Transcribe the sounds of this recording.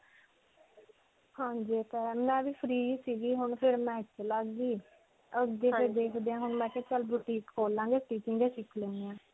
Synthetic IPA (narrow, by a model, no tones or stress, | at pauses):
hãːɲd͡ʒiːt̪ɛːmɛ̃ːʋiːpʰɾiːsiːɡiːɦʊɳpʰɪɾmɛ̃ːɪt͡ʃːlaɡiː | əɡeːpeːd̪eːkʰd̪eːãːɦʊɳmɛ̃ːk̪et͡ʃəlbuʈiːkkoːlːãːŋɡeːʈiːt͡ʃɪ̃ŋɡeːʃɪkʰlẽːnd̪eãː